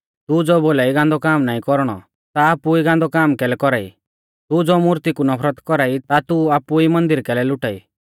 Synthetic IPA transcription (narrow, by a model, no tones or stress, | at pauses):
t̪ud͡zɔboːlaiɡãnd̪ɔkaːmnaːĩkɔɾɽ̃ɔ̰ | t̪aːpuiɡãːnd̪ɔkaːmkɛlɛkɔɾaːḭ | t̪ud͡zɔmuɾt̪ikunɔpʰɾət̪kɔɾait̪at̪uaːpuimɐ̃nd̪ɪɾkɛlɛlʊʈaḭ